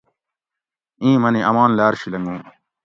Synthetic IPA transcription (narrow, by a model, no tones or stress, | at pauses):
ĩːmɐniʔɐmaːnlaːɾɕilɐŋɡũː